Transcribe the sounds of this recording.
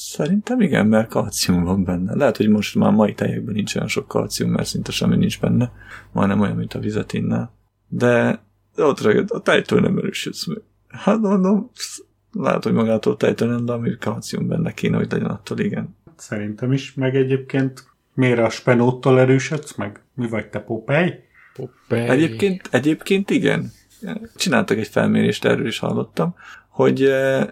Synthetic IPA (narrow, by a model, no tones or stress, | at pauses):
sɛɾint̪ɛmiɡɛ̰mmɛrkɒlt̪sijuɱvɒmbɛnːɛ̰lɛɦɛt̪ho̞ɟmo̞ʃt̪ma̰ːmɒit̪ɛjɛɡ̚bɛnint͡ʃo̞jonʃo̞kːɒ̰lt̪sijummɛ̰rsint̪ɛʃɛmːinind͡ʒbɛnːɛmɒ̰jnɛmo̞jɒ̰nmint̪ɒvizɛt̪eːnːa̰ːl | d̪ɛ | ot̪rɛɡɛt̪ɒt̪ɛjt̪o̰ːnɛ̰mɛ̰ɾøːʃøt̪smɛɡ̥̚ | hat̪mond̪o̞m | la̰ːɛ̰t̪hoɟmɒɡaːt̪oːlt̪ɛjt̪oːnɛnd̪ɛɒmikɒnt̪sijṵmbɛ̰nːɛkʰeːnɛɦo̞ɟlɛɟɛnɒt̪ːoːliɡɛnsɛɾint̪ɛmiʃmɛɡɛɟeːp̚keːnt̪ | meːɾɛɒʃpɛnoːt̪ːolɛɾøːʃøt̪smɛɡ | mivɒɟ̚t̪ɛpopɛj | p | ɛɟeːpkeːnt̪ɛɟeːpkeːnt̪iɡɛ̰n | t͡ʃinaːlt̪ɒkɛɟfɛ̰lmeːɾeːʃt̪ɛ̰røːliʃhɒ̰lːo̞t̪ːɒmho̞ɟ